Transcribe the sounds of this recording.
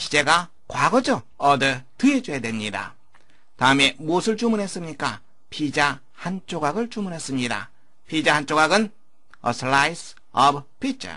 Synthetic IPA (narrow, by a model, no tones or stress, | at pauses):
ɕʰi̥d͡ʑe̞ɡa | kwaɡʌd͡ʑʌ | ʌdɯtɯed͡ʑoedwe̞mɲida̰ | taɯme̞mosʰɯɭt͡ɕumunɦe̞s͈ɯmɲik͈a | pʰid͡ʑa | hant͡ɕ͈ʰoɡaɡɯɭt͡ɕumunɦe̞s͈ɯmɲida̰ | pʰid͡ʑahant͡ɕ͈oɡaɡɯn | ʌ̰sʰɭajs | ʌbpʰit͡ɕ͈ʰʌ̰